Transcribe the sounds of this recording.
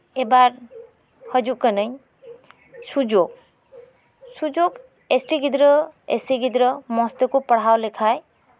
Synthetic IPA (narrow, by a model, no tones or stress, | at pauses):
ebaɾ | həd͡ʒuʔkənəɲ | sud͡ʒoɡ̚ | sud͡ʒoɡ | esʈiɡid̪ɾəḛsiɡid̪ɾəmɔst̪ekupəɽ̤awlekʰaj